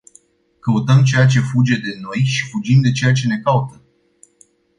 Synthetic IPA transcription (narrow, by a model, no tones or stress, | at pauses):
kəut̪əmt͡ʃe̞jat͡ʃe̞fud͡ʒe̞d̪e̞no̞jʃi̥fud͡ʒimd̪e̞t͡ʃe̞jat͡ʃe̞ne̞kaut̪ə